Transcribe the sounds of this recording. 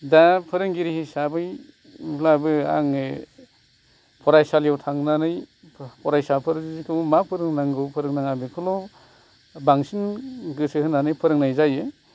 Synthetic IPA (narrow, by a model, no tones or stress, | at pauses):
dapʰɯɾɯŋɡiɾihisabɯjʰ | labɯa̰ŋe | pʰɔɾajsaljawtʰaŋnanɯj | pʰɔɾajsapʰɯɾzikʰɯmapʰɯɾɯŋnaŋɡɯwpʰɯɾɯŋnaŋabekʰɯlɔ | baŋsinɡɯsɯhɯnanɯjpʰɯɾɯŋnajzaje